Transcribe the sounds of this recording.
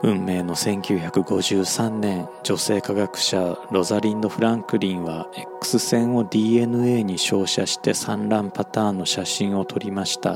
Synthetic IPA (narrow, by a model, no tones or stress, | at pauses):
ɯ̟̃mːe̞ːno̞sẽ̞ŋkʲɨːçakɯ̟ɡo̞ʑɨːsãnnẽ̞n | d͡ʑo̞se̞ːkaɡakɯ̟̥ɕaɾo̞zaɾʲĩnd̪o̞ɸɯ̟ɾãŋkɯ̟ɾʲĩɰ̃βae̞kːɯ̟̥sɨsẽ̞ɰ̃o̞d̪ʲiːe̞nɯ̟e̞ːɲ̟iɕo̞ːɕaɕi̥t̪e̞sãnɾãmpat̪aːnːo̞ɕaɕĩɰ̃o̞t̪ʰo̞ɾʲimaɕi̥t̪a̰